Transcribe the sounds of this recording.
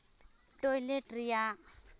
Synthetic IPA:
t͡ɬʼoiletʼrija

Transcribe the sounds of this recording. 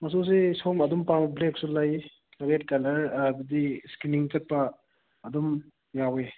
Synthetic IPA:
mɐs̬usesomɐdumpambleksulaj | kɐɾet̚kɐlɐɾdudiskɾiniŋt͡ʃɐt̚pɐː | dum | jawe

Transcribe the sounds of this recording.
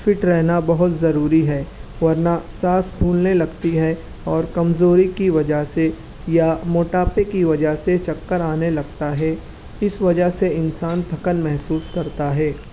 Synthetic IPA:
fʰɪʈɾɛɦnabɐɦʊt̪zɐɾuːɾiɦɛːʋɐɾnasaːsbʱuːlnelɐɡt̪iɦɛ | ɔːɾkɐmzoːɾikiʋɐd͡ʒəɦse | jamoːʈaːpekiʋɐd͡ʒəɦset͡ʃɐkːəɾaːnelɐɡt̪aɦɛ | ɪsʋɐd͡ʒəɦseɪnsaːnt̪ɐkənmɛɦsuːskɐɾt̪aɦɛː

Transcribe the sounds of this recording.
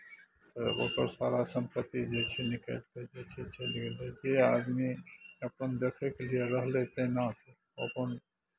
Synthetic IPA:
t̪əo̰ːkəɾsaːɾasə̃mpət̪ːid͡ʒet͡ʃʰɛnɪkə̰lt̪ed͡ʒet͡ʃʰɛt͡ʃʰɛliled͡ʒead̪miəpənd̪ekʰekelieɾəɦlet̪ẽnat̪o | ə̰pən

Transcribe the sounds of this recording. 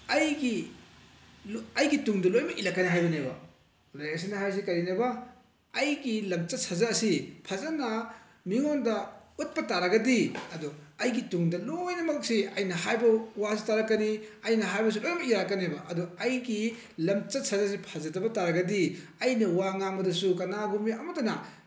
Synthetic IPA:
ɐjɡi | lɐjɡituŋdɐlojmɐʔilɐkːɐniɦajbɐnebɐ | lajɐs̬inɐɦajs̬ikɐɾinebɐː | jɡilɐmt͡ʃɐt̚sʰɐzaːsipʰɐzɐnɐ | miŋondɐut̚pɐtaɾɐɡɐdiɐduɐjɡituŋdɐlojnɐmɐkɐk̚siɐjnɐɦajbɐwasitaɾɐkːɐniɐjnɐɦajbɐs̬ukɐnamɐiɾakːɐnebɐʔɐduɐjɡi | lɐmt͡ʃɐt̚sʰɐzas̬ipʰɐzɐdɐbɐtaɾɐɡɐdiɐjnɐwaŋaŋbɐdɐsukɐnaɡumiɐmɐtɐnɐ

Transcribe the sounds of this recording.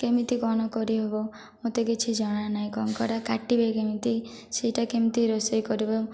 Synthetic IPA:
kemit̪ikɔñɔkɔɾiɦebɔ | mõt̪eket͡ʃʰid͡ʒɔɽ̃anaj̃kɔŋkɔɾakaʈibekemit̪i | sejʈakemit̪iɾɔsɔjkɔɾibɔ

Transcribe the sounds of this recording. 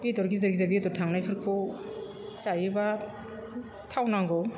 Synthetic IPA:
bidɔɾɡizɯɾɡizaɾbidɔɾtʰaŋnajpʰɯɾkʰɯ | sajiba | tʰawnaŋɡɔw

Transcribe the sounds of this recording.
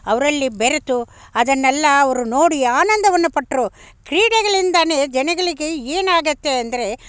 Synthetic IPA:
ɐʋɐɾɐɭːibeɾɐt̪u | ɐd̪ɐnːɛlːɐːʋɐɾuno̞ːɽiaːnɐnd̪ʱɐʋɐnːupɐʈːɾu | kɾiːɽɛɡɐɭind̪aːne̞d͡ʒɛnɐɡɐɭiɡeeːnaːɡɐt̪ːe̞ɐnd̪ɐɾe̞

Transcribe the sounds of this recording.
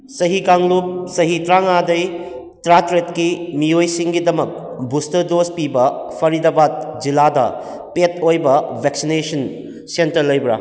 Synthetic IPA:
sɐɦikaŋlup̚sɐɦitɾaŋadɐj | tɾatɾetkimiojsiŋɡidɐmɐk̚ | bustɐɾdospibɐpʰɐɾidɐbat̚d͡ʒiladɐ̰ | pet̚ojbɐbʱeksinesɐn | sentɐɾlɐjbɾa̰

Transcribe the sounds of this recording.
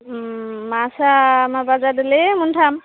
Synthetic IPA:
masamabazad̪ilemunʈʰam

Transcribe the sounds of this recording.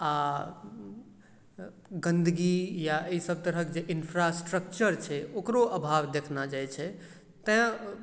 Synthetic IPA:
a | ɡə̃nd̪ɡijaeisəb̚t̪əɾəkd͡ʒeʔinpʰɾasʈɾək̚t͡ʃəɾt͡ʃʰɛokɾoʔəbʱaʋd̪ekʰnad͡ʒajt͡ʃʰɛ | t̪ɛ̃

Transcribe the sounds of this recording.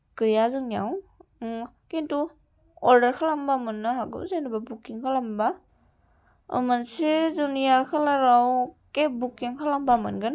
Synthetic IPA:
kɯjazɯŋjaw | kentu | ɔɾdɐɾkʰalambamɯnːaɦaɡɯ̰zenababukiŋkʰalamba | ɯ̰mansezunijakʰalaɾawkebukiŋkʰalambamɯ̰nɡɯn

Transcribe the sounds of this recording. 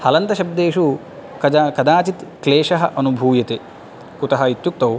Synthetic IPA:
hɐlɐnt̪ɐʃɐb̚d̪eːʂu | kɐkɐd̪aːt͡ʃit̪kleːʂɐɦɐʔɐnubʱuːjɐt̪e | kut̪ɐɦɐit̪juk̚t̪ɐw

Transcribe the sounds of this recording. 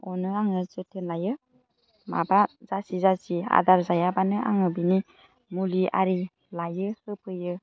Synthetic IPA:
ɔnɯaŋɯzɯtʰenlajɯ | mabazasizasia̰daɾzajabanɯʔa̰ŋɯbini | mulia̰ɾi | lajɯhɯpʰɯjɯ

